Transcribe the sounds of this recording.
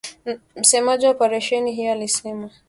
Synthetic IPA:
m̩sɛmaʄiwaɔpaɾaʃɛniɦijɔalisɛma

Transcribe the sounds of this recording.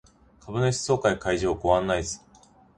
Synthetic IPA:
kʰabɯ̟noɕi̥so̞ːkaikaiʑoːkoβãnːaisɨ̥

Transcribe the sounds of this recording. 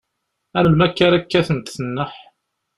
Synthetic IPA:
ænəlmækːæɾækːæθənt̪θənːəħ

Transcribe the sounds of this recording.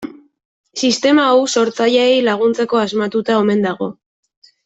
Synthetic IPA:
sist̪e̞maowso̞ɾt͡saʎeːjlaɣ̞unt͡se̞ko̞azmat̪ut̪aome̞nd̪aɣ̞o̞

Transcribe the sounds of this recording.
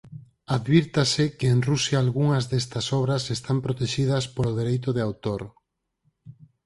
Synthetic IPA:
aðβiɾt̪asɪkeːnrusjaːlɣuŋɐzðest̪ɐsɔβɾɐsest̪ampɾot̪eʃið̞ɐspoloð̞eɾejt̪̬oðeawt̪oɾ

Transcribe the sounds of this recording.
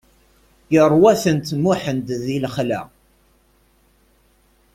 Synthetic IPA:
jərˤwæθənt̪muħənt̪ðilχlæ̰

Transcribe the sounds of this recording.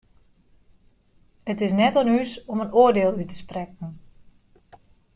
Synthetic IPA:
ətɪsnɛtɔnysɔmənoədeːlˠytə̥sprɛk̚n̩

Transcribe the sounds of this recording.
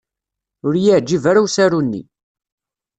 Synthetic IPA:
ʊɾjiʕd͡ʒːivaɾuwsæɾunːḭ

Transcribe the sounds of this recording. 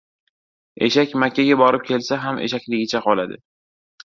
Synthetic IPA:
e̞̰ʃakʲmakʲʰːaɡʲabɒɾɪp̚kʲʰe̞lsaɦamʔe̞̰ʃakʲlɪɡʲɪt͡ʃʰaqʰɒlad̪ɪ̰

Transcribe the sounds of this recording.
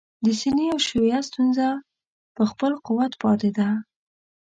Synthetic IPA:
d̪əsiniawʃuwjast̪unza | pəxpəlqʊwat̪pɑt̪ed̪a

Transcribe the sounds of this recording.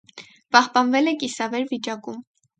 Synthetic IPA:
pɑhpɑnvɛlɛkisɑvɛɾvit͡ʃɑkum

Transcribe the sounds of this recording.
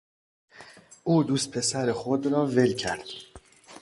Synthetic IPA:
ʔuːd̪uːst̪̚pʰe̞sæɾexod̪ɾɒːve̞lcʰæɾd̪̥

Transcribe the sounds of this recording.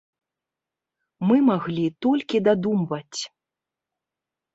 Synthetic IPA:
mɨmaɣlʲit̪ɔlʲkʲid̪ad̪umvɐt͡sʲ

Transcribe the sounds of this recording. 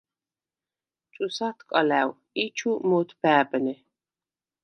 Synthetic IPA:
t͡ʃʼusat̪ʰkʼalæw | it͡ʃʰumɔt̪ʰbæːbnɛ

